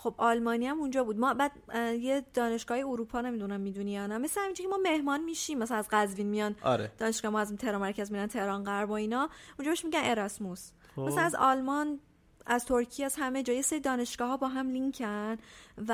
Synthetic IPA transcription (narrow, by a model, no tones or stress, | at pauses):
xo̞bɒlmɒːniæmund͡ʒɒːbuːd̪mɒbæːd̪̚jed̪̥ɒːne̞ʃɡ̥ɒːhjeoɾuːpʰɒːne̞mid̪unæmːiːd̪unijɒːnæme̞slehæmind͡ʒcʰemɒːme̞hmɒːnmiːʃiːmːæsæænæzɡæzviːnmijɒn̰ɾed̥̪ɒːne̞ʃɡ̥ɒːhemɒæzt̪ʰehɾɒnmæɾcʰæzmid̪ænt̪ʰe̞hɾɒnɢæɾboiːnɒund͡ʒɒbeʃmiɟæne̞ɾɒsmos | mæsænæzɒlmɒn | æzt̪ʰoɾcʰijæzhæme̞d͡ʒɒːjeseɾid̪ɒːne̞ʃɡ̥ɒːɦɒːbɒːɦæmliŋkʰænv